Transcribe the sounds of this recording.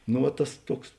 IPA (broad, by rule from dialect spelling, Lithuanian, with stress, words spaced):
noː ˈʋɐ ˈtɐs ˈtuɔks